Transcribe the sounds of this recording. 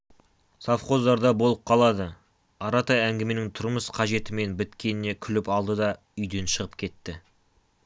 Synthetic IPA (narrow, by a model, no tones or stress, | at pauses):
sɑfχo̞zd̪ɑɾd̪ɑbo̞lˠəp̚qʰɑlˠɑd̪ə | ɑɾɑt̪ɑæŋɡʲɪme̞nɪŋt̪ʰʊɾməsqʰɑʒe̞t̪ɪme̞nbɪt̪kʲe̞nɪne̞kʲʰʏlɪpɑlˠd̪əd̪ɑ | ʏjd̪e̞nʃəʁəpkʲʰe̞t̪ːɪ